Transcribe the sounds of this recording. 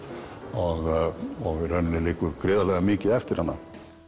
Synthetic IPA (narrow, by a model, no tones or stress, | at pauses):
ɔɣɔɣɪɾœnnɪliːkʏɾkɾeːðalɛɣamiːcɪðɛft̪ɪɾhanːa̰